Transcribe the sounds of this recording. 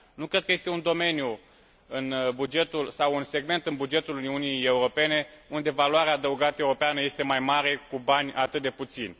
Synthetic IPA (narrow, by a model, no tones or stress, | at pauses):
nukɾe̞d̪̚kəje̞st̪e̞und̪o̞me̞nju | ɨnbud͡ʒe̞t̪ulsawunse̞ɡme̞nt̪ɨnbud͡ʒe̞t̪uluniunije̞uɾo̞pe̞ne̞und̪e̞valoaɾeaːd̪əuɡat̪əeuɾo̞peanəje̞st̪e̞majmaɾe̞kubanʲat̪ɨt̪̚d̪e̞put̪sinʲ